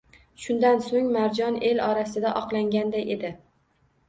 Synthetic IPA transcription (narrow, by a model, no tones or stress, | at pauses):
ʃʊnd̪ansoŋmaɾd͡ʒɒne̞lɒɾasɪd̪aʔɒqlˠaŋɡʲand̪ajʔed̪ɪ